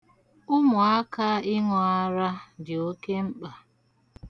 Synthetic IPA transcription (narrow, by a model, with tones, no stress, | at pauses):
ʊ˦mʊ˨a˦ka˦ɪ˦ŋɔ˨a˦ɾa˦dɪ˨o˦ke˦m̩˦k͡pa˨